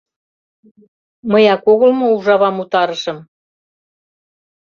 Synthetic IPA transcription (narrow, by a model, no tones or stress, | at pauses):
məjɑkoɣɤ̆lmouʒɑβɑmut̪ɑɾɤ̆ʃɤ̆m